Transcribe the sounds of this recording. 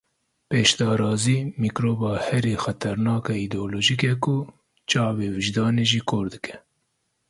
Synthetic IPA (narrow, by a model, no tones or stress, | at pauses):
peːʃd̪ɑːɾɑːziːmiːkɾoːbɑːhɛɾiːxɛt̪ʰɛɾnɑːkɑid̪oːloːʒikɛkʊ | t͡ʃɑːbeːwɨʒd̪ɑːneːʒiːkʰoːɾd̪ɨkʰɛ̥